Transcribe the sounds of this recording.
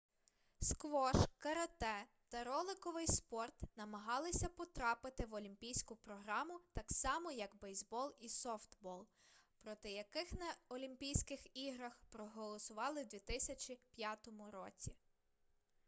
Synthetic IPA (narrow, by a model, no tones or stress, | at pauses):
skʋɔʃkɐɾɐt̪ɛ | t̪ɐɾɔlˠɪkɔʋɪjspɔrt̪nɐmɐɦɑlˠɪsʲɐpɔt̪ɾɑpɪt̪ɪʋɔlʲimʲpʲijsʲkʊpɾɔɦɾɑmʊt̪ɑksɑmɔjɐkbɛjzbɔlˠisɔft̪bɔlˠpɾɔt̪ɪjɐkɪxnɐɔlʲimpʲijsʲkɪxiɦɾɐxpɾɔɦɔlˠɔsʊʋɑlˠɪwd̪ʲʋʲit̪ɪsʲɐt͡ʃʲipʲjat̪ɔmʊɾɔt͡sʲi